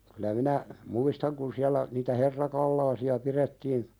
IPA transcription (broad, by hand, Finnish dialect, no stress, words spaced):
kylæ minæ muistɑŋ kun siælːæ niːtæ herːɑkɑlːɑːsiɑ piɾetːiːn